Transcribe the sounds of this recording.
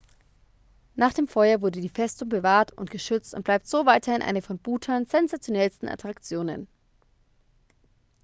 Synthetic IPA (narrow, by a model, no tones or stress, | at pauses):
naːχd̥eːmfɔʏɐvʊɐdədiːfɛstʊŋbəvaːɐtʊ̰ntɡ̥əʃʏt͡stʊ̰ntblaɪp̚tz̥oːvaɪtʰɐhɪnʔa̰ɪnəfɔnbuːtʰɐnz̥ɛnzat͡sjonɛlstn̩ʔa̰tʁ̥akt͡sjoːnə̰n